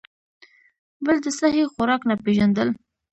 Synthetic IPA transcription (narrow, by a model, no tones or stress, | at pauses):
bəld̪əsahexʊɾɑknapeʒand̪əl